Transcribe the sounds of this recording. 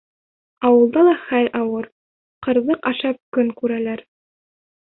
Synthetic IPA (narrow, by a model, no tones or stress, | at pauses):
ɑwɤ̆lˠd̪ɑlˠɑχælʲʔɑwɤɾ | qɤ̆ɾðɤqɑʃɑp̚kɵŋkʉɾælæɾ